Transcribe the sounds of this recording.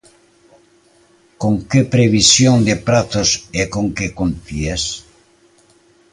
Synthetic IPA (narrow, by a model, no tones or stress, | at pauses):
koŋkepɾeβisjoŋd̪epɾat̪osekoŋkekont̪ies